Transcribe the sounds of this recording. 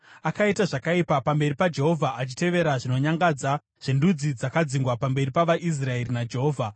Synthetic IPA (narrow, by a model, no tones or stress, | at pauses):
akaitaʐakaipapambe̞ripad͡ʒe̞ɦo̞vʱaʔat͡ʃi̥te̞ʋe̞ɾaʐino̞ɲaŋɡad͡za | ʐ̥endud͡zid͡zakad͡ziŋɡwapambe̞ripaʋaʔis̬rae̞rinad͡ʒe̞ɦoːvʱa